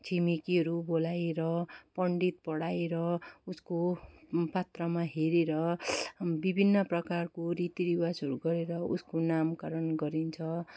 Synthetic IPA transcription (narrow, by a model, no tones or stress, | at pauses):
t͡sʰimikiɦʌɾubolajɾʌpʌɳɖit̪̚pʌɽajeɾʌuskopat̪rʌmaɦeɾeɾʌ | bibʱinːʌprʌkarkoɾit̪iɾiwasʌɾuɡʌɾeɾʌṵskonamkaɾʌnɡʌɾint͡sʰʌ